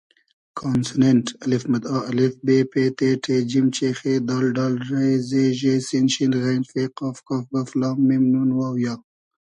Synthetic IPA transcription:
kʰaːnsneɳʈɐlɪfmɐd̪ɑːʔɐlɪfbeːpeːʈ̪eːʈʰed͡ʒimt͡ʃeːxed̪ɑːlɖɑːlɾezeʒesinʃinɣenfeqaːfkaːfɡɐflɑːmːimnunwaːwjɑː

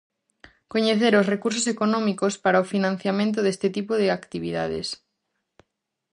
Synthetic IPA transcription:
koɲeθeɾosrekuɾs̬osekonɔ̃mikospaɾaofinãn̟θjamẽnt̪̬oðest̪et̪ipoðeakt̪iβiða̰ðḛs

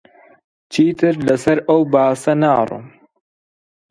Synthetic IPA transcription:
t͡ʃʰiːt̪ʰɨɾlɐsɐɾʔɐwbaːsɐnaːrˤṵm

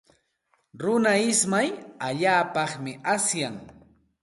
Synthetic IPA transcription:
ɾʊnaɪsmajaʎaːpɑχmɪʔasjaŋ

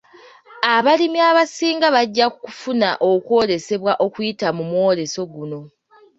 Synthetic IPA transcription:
aβalimiaβasiːŋɡaβaɟːakuku̥funaʔo̞kwo̞ːɾe̞se̞βwaʔo̞kujitamumwo̞ːɾe̞so̞ɡuno̞

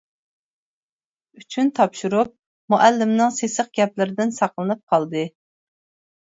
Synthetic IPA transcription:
yt͡ʃʰynt̪ʰɑpʃuɾup̚ | muʔælːɪmnɪŋsesəχ̚ɡ̥ʲɛplɪɾɪd̪ɪnsɑqlˠɨnɨp̚qʰɑlˠd̪ɨ

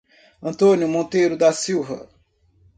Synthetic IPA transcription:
ɐ̃nt̪õnjʊmõt̪ejɾʊd̪ɐsiwvɐ̰

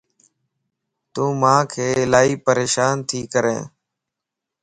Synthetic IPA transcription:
t̪ũːmãːkʰeːɪlaːiːpəɾeːʃaːnt̪ʰiːkəɾḛ̃ː

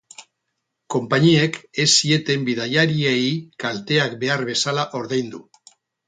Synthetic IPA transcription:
ko̞mpaɲieke̞sie̞t̪e̞mbiðajaɾiejkalt̪e̞akbe̞aɾβe̞salaʔo̞ɾðejnd̪u

